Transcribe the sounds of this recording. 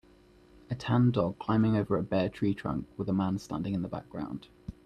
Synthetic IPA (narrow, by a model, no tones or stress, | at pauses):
ətʰãndɒɡ̚kʰl̥ãɪ̃mɪ̃ŋəʊvəɹəbɛːtʰɹ̥iːtʰɹ̥ʌ̰̃ŋkwɪðəmãnstã̰ndɪ̃ŋɪ̃nðəba̰k̚ɡ̥ɹã̰ʊ̃nd̥